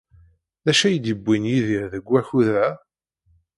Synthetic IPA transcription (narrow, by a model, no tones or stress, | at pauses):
ðæʃæjd̪əbːinjiðiɾðəɡʷːæçuðɾæ